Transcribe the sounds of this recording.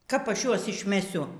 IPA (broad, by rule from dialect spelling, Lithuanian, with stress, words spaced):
kɐp ˈɐʃ ˈjuɔs ɪʃʲmʲɛˈsʲʊ